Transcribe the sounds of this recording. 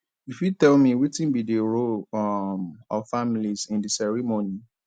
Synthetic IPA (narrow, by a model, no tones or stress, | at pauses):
ifjutɛlmiwitĩnbidiɹolmɔfamilizĩndisɛɹimoni